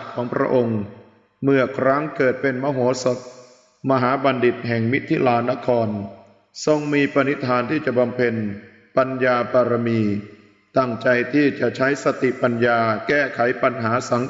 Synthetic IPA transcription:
kʰɔː˩˦ŋpʰɾa̰˦˥ʔo˧ŋ | mɯ˥˩əkʰɾa˦˥ŋkɤː˨˩t̪̚pe˧nmɔː˧ɦoː˩˦so˨˩t̪̚ | ma˧ɦaː˩˦ba˧ndi˨˩t̪̚ɦɛ˨˩ŋmi˦˥t̪ʰːi˦˧˥laː˧na˦˥kʰɔː˧n | so˧ŋmiː˧pa˧ni˦˥t̪ʰːaː˧nt̪ʰiː˥˩t͡ɕa˨˩ba˧mpʰe˧n | pa˧njaː˧paː˧ɾa˧miː˧ | t̪a˥˩ŋt͡ɕa˧jt̪ʰiː˥˩t͡ɕa˨˩ʔt͡ɕʰa˦˥jsa˧t̪i˨˩pa˧njaː˧kɛː˥˩kʰa˩˦jpa˧nɦaː˩˦sa˩˦ŋ

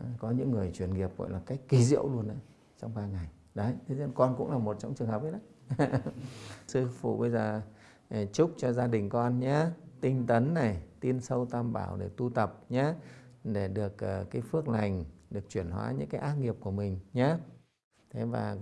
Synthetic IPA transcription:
kɔ˨˦ɲɨ̰˧˥ŋːɨ˨˩əjt͡ɕwi˧˩ənŋi˨˩əp̚ɣɔ̰˧˨jlaː˨˩ka˦˥jk̟̚ki˨˦zḭ˧˥əwlu˧ənʔaː˧˦ | t͡ɕɔ˧wŋ͡mɓaː˧ŋa˨˩j | ɗə˨˦jt̪ʰi˨˦zi˧ənkɔ˧nkʊ̰˧˥ŋ͡mlaː˨˩mo˨˩t̚t͡ɕɔ̰˧wŋ͡mt͡ɕɨ˨˩əŋhəː˨˩p̚ʔə˨˦jɗə˨˦j | sɨ˧fṵ˧˨ɓə˧jzəː˨˩˨ | t͡ɕʊ˦˥k͡p̚t͡ɕɔ˧zaː˧ɗï˨˩ŋ̟kɔ˧nɲaː˨˦t̪ï˧ŋ̟t̪ə˨˦nːa˨˩jt̪i˧nsə˧wt̪aː˧mɓa̰ː˧˩wɗe˧˩t̪u˧t̪ə˨˩p̚ɲaː˨˦ɗe˧˩ɗɨ˨˩ək̚ʔəː˨˩kaː˨˦jfɨ˦˥ək̚la˨˩jŋ̟ɗɨ˨˩ək̚t͡ɕwi˧˩ənɦwa̰ː˨˦ɲɨ̰˧˥ŋkaː˨˦jʔaː˦˥t̚ŋi˨˩əp̚ku˧˩əmï˨˩ŋ̟ɲa˨˦ | t̪ʰe˨˦vaː˨˩

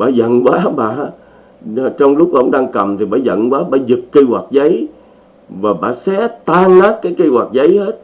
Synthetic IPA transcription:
ɓa̰ː˧˩˦zə̰˧˨nkwaː˨˦ɓa̰ː˧˨ | t͡ɕɔ˧wŋ͡mlʊ˦˥k͡p̚ʔə˧˩wŋ͡mɗaː˧ŋkə˨˩mt̪ʰi˨˩ɓaː˧˩zə̰˧˨nkwaː˨˦ɓaː˧˩zɨ˨˩kːə˧jwa˨˩k̚zə˨˦j | vaː˨˩ɓa̰ː˧˩sɛ˨˦˥t̪aː˧ŋnaː˦˥t̚kaː˨˦jkə˧jhwa˨˩k̚zə˨˦jhe˦˥t̚

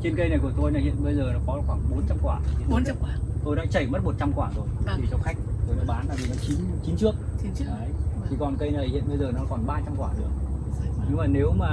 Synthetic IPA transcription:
t͡ɕe˧nkə˧jna˨˩jku˧˩ət̪o˧jna˨˩hḭ˧˨ənɓə˧jzəː˨˩nɔ˨˦kɔ˨˦xwaː˧˩ŋɓo˨˦nt͡ɕa˧mkwaː˧˩˨n˧kwa˧˩t̪o˧jɗa̰ː˧˥t͡ɕə˧˩jmə˦˥t̚mo˨˩t̚t͡ɕa˧mkwaː˧˩zo˨˩jtʰi˨˩sa˧wxa˦˥jk̟̚t̪o˧jɗa̰ː˧˥ɓaː˨˦nlaː˨˩vi˨˩nɔ˨˦t͡ɕi˨˦nt͡ɕi˨˦nt͡ɕɨ˦˥ək̚ːjt̪ʰi˨˩kɔ˨˩nkə˧jna˨˩jhḭ˧˨ənɓə˧jzəː˨˩nɔ˨˦xwɔː˧˩nɓaː˧t͡ɕa˧mkwaː˧˩nɨ̰˧˩ə˧ | ɲɨ˨˧˦ŋ͡mmaː˨˩ne˨˦wmaː˨˩

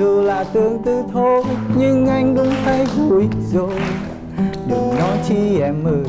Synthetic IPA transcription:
ɨ˨˩əlaː˨˩t̪ɨ˨˩əŋt̪ɨ˧t̪ʰo˧ɲɨ˧ŋʔa˧jŋ̟ɗʊ˧˥˦ŋ͡mt̪ʰa˧jvu˧˩jzo˨˩j | ɗɨ˨˩k̚nɔ˨˦t͡ɕi˧ʔɛ˧˩mʔəː˨˩

